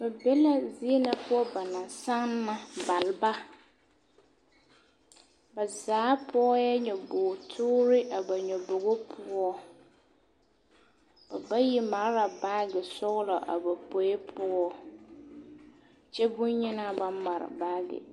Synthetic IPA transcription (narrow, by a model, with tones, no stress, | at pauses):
ba˨bɛ˦la˦zi˦e˦na˨pʊ˦ɔ˦ba˨na˨sa˦ŋna˨ba˨lba˦ | ba˨zaː˨˦pʰɔ˦jɛ˦ɲɔ˨bo˨tʰʊː˦ɾɪ˦ʔa˨ba˨ɲɔ˨bo˨ɣo˦pʰʊ˦ɔ˦ | b̥a˨ba˦ji˦ma˨ɾɾa˨baː˦ɡɪ˨sʊ˦ɣlɔ˨ʔa̰˨ba˨po˨je˦pʰʊ˦ɔ˦ | t͡ʃɛ˦bʊ˦ɲɲɪ˦na˦ba˦ma˨ɾɪ̰˨baː˦ɡɪ̰˨